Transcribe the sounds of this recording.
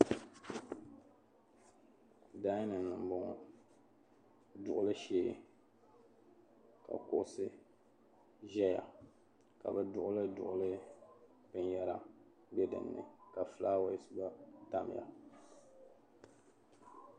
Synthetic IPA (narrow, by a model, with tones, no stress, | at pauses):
da˦nɨ˨n˨nɨ˨m˦bʊ˦ŋ˨ | dʊ˨ʔʊ˦lɨ˦ʃeː˦˨ | ka̰˨kʊ̰˦ʔʊ˦sɨ˦ | ʒɛ˦ja̰˨ | ka̰˨bɨ˦dʊ˦ʔʊ˦lɨ˦dʊ̰˨ʔʊ˦lɨ˦ | pɨ˦n˦jɛ˦ɾa˦ | bɛ˦dɨ̰˨nːɨ̰˨ka˨flaː˦wa˦˨jɪ˦sɨ˦ba˦ta˦m˨ja̰˨